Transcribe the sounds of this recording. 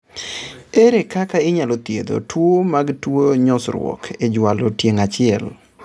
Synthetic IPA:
eɾekakaɪɲalot̪jḛd̪o̰twomaɡtwoɲɔsɾwɔ̰kʰed͡ʒwalotjeŋat͡ʃɪɛl

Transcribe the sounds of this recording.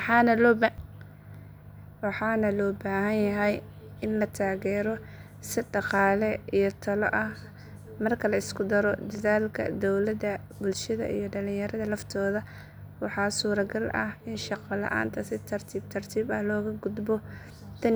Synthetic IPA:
ħɑːnɐlɔːb | wɑħɑːnɐlɔːbaːɦɐnjɐɦɛj | ɪnlɐt̪ʰaːɣɛːɾɔ | sɪɖɑqɑːlɛijɞt̪ʰɐlɔ̰ʔɐh | mɐrkʰɐlɐɪskʰʊd̪ɐɾɔd̪ɐðaːlkʰɐ̰d̪ɔwlɐd̪ɐ | bʊlʃɐðɐ̰ʔḭjɔɖɐlɪ̃jɐɾɐðɐlɐft̪ʰɔːðɐ | wɑħɑːsuːɾɐɡɐlʔɐ̰hɪnʃɑqɑlɐ̰ʔa̰ːnt̪ʰɐsɪt̪ʰɐrt̪ʰiːb̚t̪ʰɐrt̪ʰiːbɐhlɔːɣɐɡʊd̪bɔ | t̪ʰɐ

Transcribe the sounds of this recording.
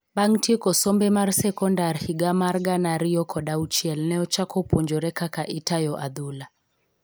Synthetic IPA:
ɓaŋtʰikɔsɔmbɛmaɾsɛkɔndaɾhiɡamaɾɡanaɾijɔkʰɔɗaut͡ʃiɛlnɛɔt͡ʃakɔpɔɲd͡ʒɔɾɛkakaʔitajɔʔaðula

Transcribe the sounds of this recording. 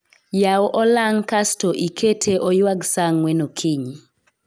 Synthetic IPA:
jawʔɔlaŋkastoʔikʰetʰeʔɔjwaɡsaŋwɛnokʰiɲi

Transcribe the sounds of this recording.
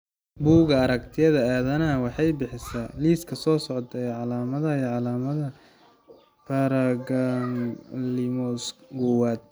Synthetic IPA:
buːɣɐːɾɐkt̪ʰɪjɐðɐaːðɐnɐɐwɑħɑjbɪħɪsɐliːskʰɐsɔːsɔʕt̪ʰɐɛʕɑlaːmɐðɐijʕɑlaːmɐðɐ | pʰaɾɐɡanlɪmɔsɡuwaːd̪̚

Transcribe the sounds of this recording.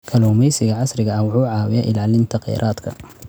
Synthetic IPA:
kʰɐlɔmɛjsɪɣɐʕɑsrɪɣɐɐwʊħuːʕɑːwɪjɐʔɪlaːlɪnt̪ʰɐqɛ̰ːɾʔaːd̪kʰɐ̰

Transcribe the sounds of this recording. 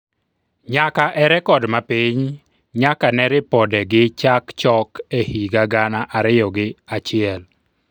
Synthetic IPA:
ɲakaʔɛɾɛkɔdmapɪɲ | ɲakanɛɾɪpɔdɛɡɪt͡ʃakt͡ʃɔkehiɡaɡanaʔaɾɪjɔɡɪat͡ʃɪɛl

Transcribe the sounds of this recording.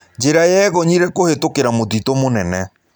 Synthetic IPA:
d͡ʒeɾajɛɣɔɲiɾɛkohetokeɾamoðitomonɛnɛ

